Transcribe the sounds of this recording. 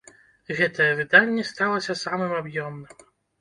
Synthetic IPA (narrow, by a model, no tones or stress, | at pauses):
ɣɛt̪ɐjɛvɨd̪anʲːɛst̪alˠɐsʲɐsamɨmabjɔmnɨm